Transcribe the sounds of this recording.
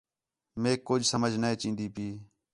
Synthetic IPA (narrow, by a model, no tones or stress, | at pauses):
meːkːod͡ʒsəməd͡ʒʱnəẽːt͡ʃĩːnd̪iːpiː